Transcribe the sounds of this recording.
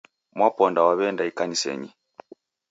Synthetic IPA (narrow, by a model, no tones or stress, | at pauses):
mwapɔndawaβɛndaikanisɛ̰ɲi